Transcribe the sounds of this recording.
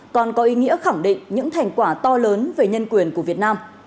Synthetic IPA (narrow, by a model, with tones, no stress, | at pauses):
kɔ˨˩nkɔ˨˦ʔi˨˦ŋḭ˧˥əxa˧˩ŋɗḭ̈˧˨ŋ̟ɲɨ̰˧˥ŋt̪ʰa˨˩jŋ̟kwaː˧˩t̪ɔ˧ləː˨˦nve˨˩ɲə˧nkwi˧˩ənku˧˩əvət̚naː˧m